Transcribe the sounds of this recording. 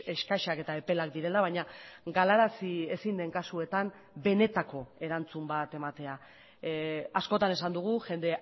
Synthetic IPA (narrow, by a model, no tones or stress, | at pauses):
e̞ʃkaʃake̞t̪ae̞pe̞lak̚d̪iɾe̞laβ̞ajɲaɡalaɾasie̞sind̪e̞ŋkasue̞t̪am | be̞ne̞t̪ako̞e̞ɾant͡sumbat̪e̞mat̪e̞a | asko̞t̪ane̞sand̪uɣ̞uʝe̞nd̪e̞